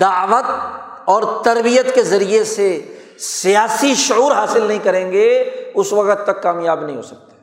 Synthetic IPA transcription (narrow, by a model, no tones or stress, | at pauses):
d̪aːʋət̪ | ɔːɾt̪ɐɾbijət̪kezɐɾiese | sijaːsiʃʊuːɾɦaːsɪlnɐɦĩkɐɾẽːŋɡeʊsʋɐqt̪ːɐkːaːmjaːbnɐɦĩɦo̰ːsɐk̚t̪ḁ